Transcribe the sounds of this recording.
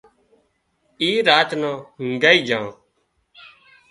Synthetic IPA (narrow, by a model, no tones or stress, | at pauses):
iːɾaːt͡ʃnãːhʊŋɡaːiːd͡ʒʱãː